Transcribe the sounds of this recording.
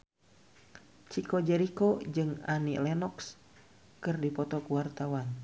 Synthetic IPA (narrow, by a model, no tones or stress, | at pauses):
t͡ʃikɔd͡ʒɛɾikɔd͡ʒɨŋanilɛnɔks | kɨrdipɔt̪ɔkuwart̪awan